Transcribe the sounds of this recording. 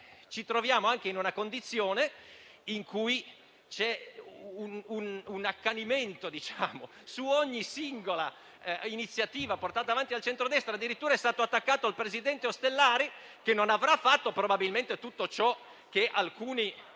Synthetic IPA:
t͡ʃit̪ɾovjaːmoaŋk̟einunakond̪it̪sːjoːne | iŋkuj | t͡ʃɛunununakːaniment̪od̪it͡ʃaːmo | suoɲːisiŋɡola | init̪sːjat̪iːvaport̪aːt̪aːvant̪ialt͡ʃent̪ɾod̪ɛst̪ɾad̪ːiɾit̪ːuːɾaɛst̪aːt̪oat̪ːakːaːt̪oalpɾezid̪ɛnt̪eost̪elːaːɾi | kenːonavɾafːat̪ːopɾobabilment̪et̪ut̪ːot͡ʃɔ | k̟eʔalkuːni

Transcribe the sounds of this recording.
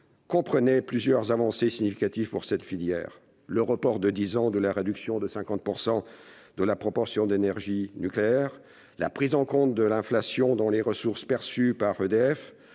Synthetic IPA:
kɔ̃pχənɛplyzjœʁzavɑ̃sesiɲifikat̪ivpuʁsɛt̪filjɛ̰ːʁ | ləʁəpɔʁd̪əd̪izɑ̃d̪əlaʁed̪yksjɔ̃d̪əsɛ̃kɑ̃t̪̚puʁsɑ̃ | d̪̥əlapχɔpɔʁsjɔ̃d̪enɛʁʒinykleɛʁ | la̰pχizɑ̃kɔ̃t̪̚d̪əlɛ̃flasjɔ̃d̪ɑ̃leʁəsuʁspɛʁsypaʁød̪eɛf

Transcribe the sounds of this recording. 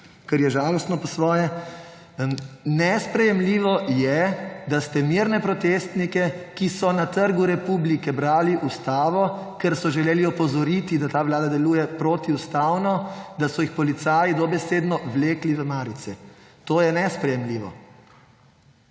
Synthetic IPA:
kɛɾjɛʒaːlɔst̪nɔpɔsʋɔːjɛ | nɛspɾɛjɛmliːʋɔjɛd̪ast̪ɛmiːɾnɛpɾɔt̪eːst̪nikɛkisɔnat̪əɾɡuɾɛpublikɛbɾaːliʔust̪aːʋɔkɛɾsɔʒɛleːliɔpɔzɔɾit̪id̪at̪aːʋlaːd̪ad̪ɛluːjɛpɾoːt̪iust̪awnɔd̪asɔjixpɔlit̪saːjid̪ɔbɛseːd̪nɔʋleːkliʋəmaːɾit̪sɛt̪oːjɛnɛspɾɛjɛmliːʋɔ̰

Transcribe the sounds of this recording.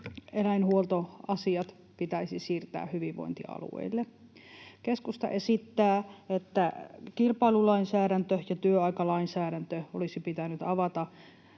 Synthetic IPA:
elæinhuolt̪oɑsiɑt̪ | pit̪æisisiːrt̪æ̰ːhyʋiʋʋo̰int̪ḭɑ̰lṵḛilːe | keskust̪ɑ̰ʔesit̪ːæːet̪ːækilpɑilulɑinsæːɾænt̪øjɑt̪yøɑikɑlɑinsæːɾænt̪øolisipit̪ænyt̪ɑʋɑt̪ɑ

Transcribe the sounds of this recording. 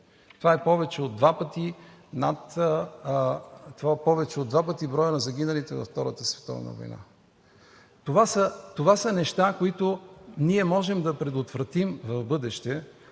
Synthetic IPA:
t̪ovaɛpɔvɛt͡ʃɛod̪ːvapət̪i | nat̪ | t̪ovaɛpɔvɛt͡ʃɛod̪vapət̪ibɾɔjənɐzɐɡʲinɐlit̪ɛvɐ̰ft̪ɔɾət̪əsvɛ̥t̪ɔ̰v̰nə̰vo̰jna̰ | t̪ovasət̪ovasɐnɛʃt̪akoit̪oniɛmɔʒɛmd̪ɐpɾɛd̪ot̪vɾɐt̪imvɐvbɤd̪ɛʃt̪ɛ

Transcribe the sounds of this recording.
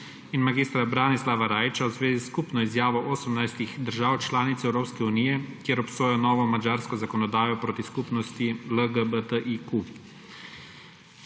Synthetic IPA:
inmaɡiːst̪ɾabɾaːnislaʋaɾaːjt͡ʃawzʋeːziskupnɔizjaːʋɔʔoːsəmnajst̪iɣd̪əɾʒaːwt͡ʃlaːnit̪sɛwɾoːpskɛuniːjɛkjeːɾɔpsoːjɔnɔːʋɔmad͡ʒaːɾskɔzakɔnɔd̪aːjɔpɾot̪iskupnɔst̪iləɡəbət̪əʔiku

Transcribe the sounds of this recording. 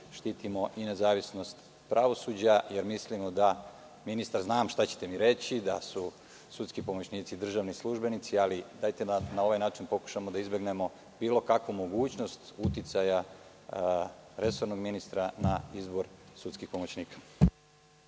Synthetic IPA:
ʃt̪iːt̪imo̞ʔine̞zaːʋisno̞st̪ | pɾʔaʋo̞suːd͡ʑajeɾmislimod̪a | minist̪aɾznaːmʃt̪at͡ɕe̥t̪e̞miɾe̞t͡ɕid̪asu | sut̪skipo̞mo̞t͡ɕniːt̪sid̪r̩ʒaʋnislˠuʒbe̞nit̪sialid̪aːjt̪ed̪anao̞ʋajnaːt͡ʃinpo̞ku̥ʃamod̪aizbjeɡne̞mo̞ | biːlo̞kakʋumo̞ɡuːt͡ɕno̞st̪ut̪it̪saja | ɾe̞so̞ɾno̞ɡminist̪ɾanaizbo̞ɾsut̪skixpo̞mo̞t͡ɕniːkḁ

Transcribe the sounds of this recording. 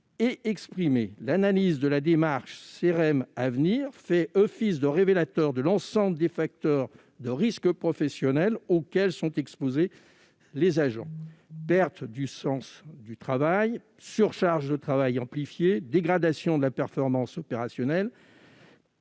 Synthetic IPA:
eʔɛkspχimelanalizd̪əlad̪emaʁʃseʁɛmavniʁfɛʔɔfisd̪əʁevelat̪œʁd̪əlɑ̃sɑ̃bləd̪efak̚t̪œʁ | d̪əʁiskəpχɔfɛsjɔnɛlokʲɛlsɔ̃t̪ɛkspoze | lezaʒɑ̰̃pɛʁt̪d̪ysɑ̃sd̪yt̪χavaj | syʁʃaʁʒd̪ət̪χavajɑ̃plifjed̪eɡʁad̪asjɔ̃d̪əlapɛʁfɔʁmɑ̃sɔpeʁasjɔnɛl

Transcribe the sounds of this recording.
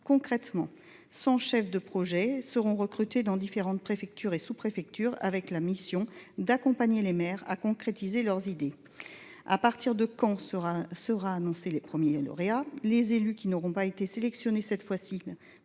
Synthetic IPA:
kɔ̃kχɛt̪mɑ̃ | sɑ̃ʃɛfd̪əpχɔʒɛsəʁɔ̃ʁəkχyt̪ed̪ɑ̃d̪ifeʁɑ̃t̪̚pχefɛk̚t̪ʰyʁesupχefɛk̚t̪yʁa̰vɛklamisjɔ̃d̪akɔ̃paɲelemɛʁa̰kɔ̃kχet̪izelœʁzid̪e | a̰paʁt̪iʁd̪əkɑ̃ʁasəʁaːnɔ̃selepχəmjelɔ̰ʁealezelykʲinɔʁɔ̃paet̪eselɛksjɔnesɛt̪fwasi

